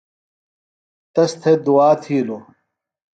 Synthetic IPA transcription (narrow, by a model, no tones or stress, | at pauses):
t̪ɐst̪ʰed̪uaːt̪ʰiːlo